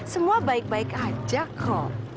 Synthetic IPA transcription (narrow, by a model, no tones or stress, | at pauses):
səmuabaik̚baikaɦãd͡ʒakʰɔ̃